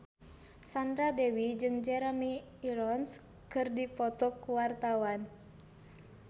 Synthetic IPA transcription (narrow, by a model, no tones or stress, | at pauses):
sand̪ɾadɛwid͡ʒɨŋd͡ʒɛɾɛmiː | ɾɔns | kɨrdipɔt̪ɔkuwart̪awan